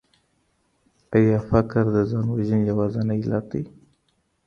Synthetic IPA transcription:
ajɑfakɾd̪əzɑnwaʒənjawɑzanailɑt̪̚d̪ij

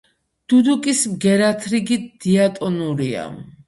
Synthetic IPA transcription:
d̪̥ud̪ukʼismɡɛɾat̪ʰɾiɡid̪̥iat̪ʼɔnuɾia̰

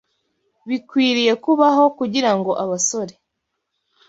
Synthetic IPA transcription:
βikwiːɾije̞kuβaɦo̞kuɟiɾaŋɡo̞ʔaβaso̞ɾe̞

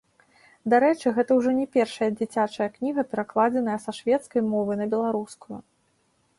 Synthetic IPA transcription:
d̪aɾɛt͡ʂɨɣɛt̪ɐwʐɔnʲɛpʲɛrʂɐjɐd͡zʲit͡sʲat͡ʂɐjɐknʲiɣɐpʲɛɾaklˠad͡zʲɛn̪ɐjɐsɐʂvʲɛt̪skɐjmɔvɨnɐbʲɛlˠaɾuskujṵ

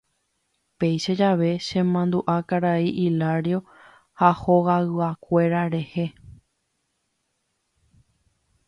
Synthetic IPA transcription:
pe̞jʃad͡ʒaʋe̞ʃẽ̞mãnd̪uʔakaɾaiʔilaɾjo̞ | hahoɣaɨakʷe̞ɾaɾe̞he̞

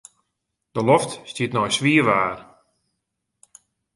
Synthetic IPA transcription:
d̥əlɔftstiətnɔjsʋiəʋaːr

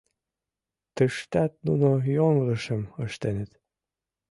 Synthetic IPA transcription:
t̪ə̆ʃt̪æt̪̚nṵnojoŋʁɤ̆ʃə̆mə̆ʃt̪enɘt̪

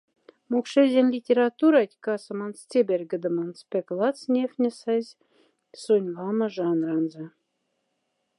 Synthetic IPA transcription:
mokʃezʲenʲlʲitʲeɾɑt̪uɾɑtʲkɑsɤ̆mɑnst͡sʲebʲerʲɡɘ̆d̪ə̆mɑnspʲeklˠɑt͡snʲefnʲɘ̆sɑzʲ | sunʲvɑmɤ̆ʒɑnrɑnzɑ̆

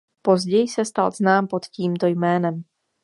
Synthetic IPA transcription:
po̞zɟɛjsɛst̪alznaːmpo̞t̪ciːmt̪o̞jmɛːnɛm

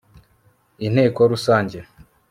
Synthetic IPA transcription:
in̥heːkoɾusaːɲɟe

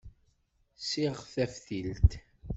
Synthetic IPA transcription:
siʁθæfθilt̪

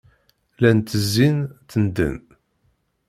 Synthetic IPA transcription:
lænt̪əzːint̪ənd̪ə̰n

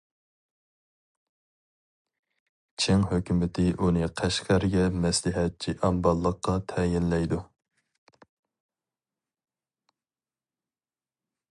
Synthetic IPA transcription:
t͡ʃʰeŋɦøkʲymɪt̪ʰɪʔunɨqʰæʃqæɾɡʲɛmɛslɪɦɛt̪̚t͡ʃʰiʔæmbɑlˠːəqːɑt̪ʰɛjɪnlɛjd̪u

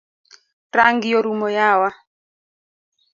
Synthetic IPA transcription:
ɾaŋɡɪjɔɾumɔjawa

